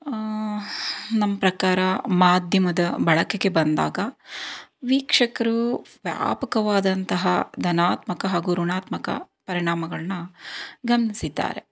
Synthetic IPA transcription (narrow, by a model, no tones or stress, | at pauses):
nɐmːɐpɾɐkaːɾɐmaːd̪ʱjɐmɐd̪ɐbʱɐɭɐkeɡe̞bɐnd̪a̰ːɡɐ | ʋiːkʂɐkɐɾuʋja̰ːpɐkɐʋaːd̪ɐnt̪ɐɦɐd̪ʱɐnaːt̪mɐkɐɦaːɡuɾuɳaːt̪mɐkɐ̰ | pɐɾiɳaːmɐɡɐɭɐnɐɡɐmɐnisid̪ːa̰ːɾe